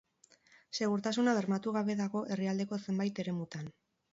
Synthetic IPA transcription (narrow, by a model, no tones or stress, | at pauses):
se̞ɣuɾt̪asunaβ̞e̞ɾmat̪uɣ̞aβe̞ðaɣo̞ʔe̞riald̪e̞ko̞se̞mbajt̪e̞ɾe̞mut̪an